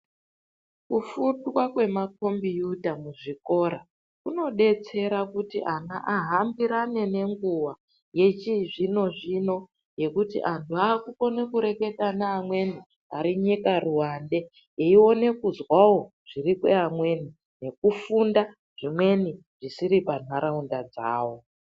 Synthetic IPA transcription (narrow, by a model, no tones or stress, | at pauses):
kufundwakwe̞mak̚o̞mbijutamuʐiko̞ɾa | kuno̞ɗe̞t͡se̞ɾakutiʔana̰ʔaɦambiɾane̞ne̞ŋɡuwa | je̞t͡ʃiʐino̞ʐino̞ | je̞kutḭʔantʰuaːkuko̞ne̞kuɾe̞ke̞tanaːmwe̞ni | a̰ɾiɲikaruwande̞ | eio̞ne̞kuzwawo̞ | ʐ̥irikwḛamwe̞ni | ne̞kufunda | ʐ̥imwe̞ni | ʐisiɾipan̤aɾaundad͡za̰ːwo̞